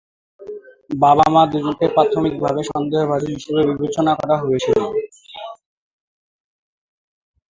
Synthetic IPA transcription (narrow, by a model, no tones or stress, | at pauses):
baba̰mad̪ud͡ʑukeɾpɾat̪ʰomik̚bʱabeʃɔnd̪eɦobʱaɾiɦiʃebebibet͡ɕonakɔɾaɦoet͡ɕʰilo